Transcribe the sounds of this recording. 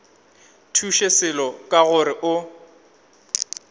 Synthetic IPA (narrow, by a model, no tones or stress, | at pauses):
tʰuʃesɪlɔkʼaɣʊɾɪʔʊ